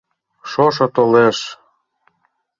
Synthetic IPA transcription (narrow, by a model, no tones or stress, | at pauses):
ʃoʃɤ̆t̪oleʃ